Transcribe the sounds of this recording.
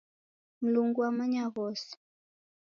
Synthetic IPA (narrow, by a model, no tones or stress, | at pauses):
m̩luŋɡuwamaɲaɣɔsi̥